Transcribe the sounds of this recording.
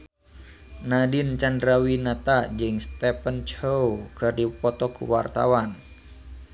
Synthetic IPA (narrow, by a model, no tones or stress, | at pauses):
nadint͡ʃandɾawinat̪ad͡ʒɨŋst̪ɛpənt͡ʃowkɨrdipɔt̪ɔkṵwa̰rt̪a̰wan